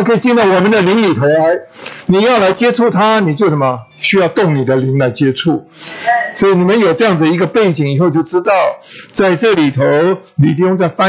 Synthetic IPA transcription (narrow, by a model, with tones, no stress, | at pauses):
kʰɤ˧˥i˨˩t͡ɕi˥˧nd̪ɑ˥˩wɔ˨˩mə˨˦nd̪ə˨li˧˥ŋli˨˩t̪ʰo˧˥ʊla˧˥ɪni˨˩jɑ˥˩ʊla˧˥ɪt͡ɕjɛ˥ʈ͡ʂʰu˥˩t̪ʰa˥ni˨˩t͡ɕjo˥˩ʊʂə˧˩˦mɐ˨˩ | ɕy˥jɑ˥˧ʊt̪ʊ˥˩ŋni˨˩d̪ə˦li˧˥ŋla˧˥ɪt͡ɕjɛ˥ʈ͡ʂʰu˥˩ | sɔ˧˥˨ni˨˩mə˦njo˨˩ʊʈ͡ʂɤ˥˧jɑ˥˩ŋd͡zd̪ə˧i˧˥ɡə˧pe˥˩ɪt͡ɕi˨˩ŋi˨˩xo˥˧ʊt͡ɕjo˥˩ʊʈ͡ʂɻ̩˥t̪ɑ˥˩ʊt͡sa˥˧ɪʈ͡ʂɤ˥˩li˨˩t̪ʰo˧˦ʊli˨˩t̪̬i˥˧ʊ˥ŋt͡sa˥˩ɪfa˥